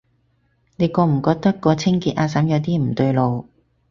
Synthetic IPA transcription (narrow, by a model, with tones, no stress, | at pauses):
ne˨˧jkɔː˧m̩˨˩kɔː˧k̚t̪ɐ˥kːɔː˧t͡sʰɪ˥ŋkiː˧t̚ʔaː˧sɐ˨˥mjɐ˨˧t̪iː˥m̩˨˩t̪ɵ˧ɥlo˨˧w